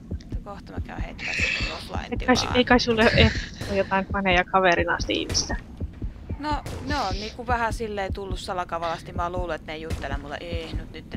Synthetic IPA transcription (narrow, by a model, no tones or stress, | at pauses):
t̪ːɑkoht̪ɑmɑ̰kæ̰yhḛit̪ːʋæ̰ˑsit̪uloflɑ̰ḭeiɑiseikɑisolːeʔʔeht̪ojot̪ɑˑimpɑneˑjɑkɑʋerinɑ̰ˑst̪iḭhmist̪æ | noneonniːkuʋæhæsilːeit̪ulːussɑlɑkɑʋɑlɑst̪nimɑːluːluet̪neijut̪ːelemulːḛʔehnut̪nyt̪ː